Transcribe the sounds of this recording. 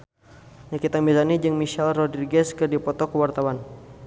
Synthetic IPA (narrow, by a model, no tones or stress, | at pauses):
ɲakit̪anbizanid͡ʒɨŋmiʃɛlrɔdriɡɛskɨrdipɔt̪ɔkəwart̪awan